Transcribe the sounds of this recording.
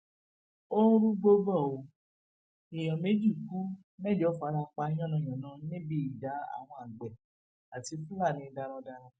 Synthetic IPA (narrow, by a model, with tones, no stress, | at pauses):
o˦ɾũ˦ɡ͡bo˧bɔ˦˨o˨ | i˨j̃ɔ̃˨me˨˦d͡ʒi˦˨ku˦ | mɛ˦˨d͡ʒɔ˨˦fa˨˧ɾa˧k͡pa˧˦j̃ɔ̃˦˨nã˨j̃ɔ̃˨nã˨˦nĩ˦bi˦i˨da˨˦a̰˦˨w̃ɔ̃˧a˨ɡ͡bɛ˨ | a˨ti˧fũ˦la˦˨nĩ˧da˧ɾ̃ɔ̃˧da˧ɾ̃ɔ̃˧